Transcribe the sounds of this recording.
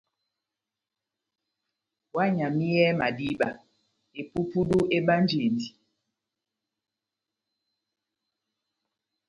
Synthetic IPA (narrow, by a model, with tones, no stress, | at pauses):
wa˦ɲa˨mi˦jɛ˦ma̰˨di˦ɓa̰˨ | e˨pu˦pu˦du˦e˦ɓa˦nd͡ʒe˨ndi˨